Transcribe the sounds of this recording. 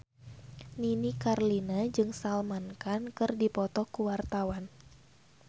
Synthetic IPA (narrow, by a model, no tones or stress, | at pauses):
ninikarlinad͡ʒɨŋsalmankankɨrdipɔt̪ɔkuwart̪awan